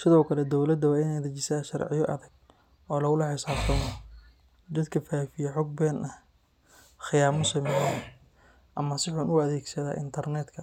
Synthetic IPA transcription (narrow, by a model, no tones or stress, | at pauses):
sɪðɔːkʰɐlɛd̪ɔwlɐd̪ɐwɑːɪnɛjd̪ɐt͡ʃɪsaːʃɐrʕɪ̰jɔʔɐ̰ðɐɡ | ɔːlɐɣʊlɐħɪsaːbt̪ʰɐmɔ | d̪ɐd̪kʰɐfaːfɪjɛħɔɡ̚bɛnʔɐh | xɪjaːmɔsɐmɛja | ʔɐmɐsɪħuːnʔʊɐðɛːɡsɐða̰ːʔɪ̰nt̪ʰɐrnɛd̪kʰɐ